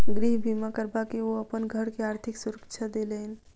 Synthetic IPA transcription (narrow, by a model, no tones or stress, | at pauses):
ɡɾiɦbʱimakəɾbakeoəpənɡʱəɾkeaɾt̪ʰiksuɾəkt͡ʃʰad̪elən